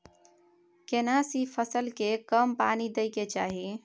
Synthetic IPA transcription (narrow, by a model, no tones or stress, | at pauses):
kenasipʰəsəlkekəmpanid̪əjket͡ʃaɦi